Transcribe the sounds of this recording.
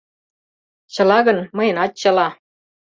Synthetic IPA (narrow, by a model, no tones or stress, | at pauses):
t͡ɕɤ̆lɑɣɤ̆nmɤ̆jə̆nɑt̪̚t͡ɕɤ̆lɑ